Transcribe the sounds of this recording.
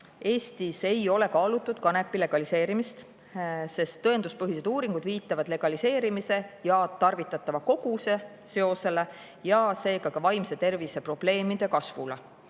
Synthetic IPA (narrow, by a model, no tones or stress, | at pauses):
e̞ːst̪ise̞jo̞le̞kɑːlut̪ːˑud̪̥kɑne̞pːile̞ɡ̥ɑlise̞ːɾimist̪ | se̞st̪ːɤend̪uspɤɦise̞d̪̥uːɾiŋɡ̥ud̪viːt̪ːˑɑvɑd̪̥le̞ɡ̥ɑlise̞ːɾimise̞jɑt̪ɑrvit̪ːˑɑt̪ːˑɑvɑko̞ɡ̥use̞ | se̞o̞se̞le̞ | jɑse̞ːɡ̥ɑkɑvɑjmse̞t̪e̞rvise̞pro̞b̥le̞ːmid̪̥e̞kɑsvule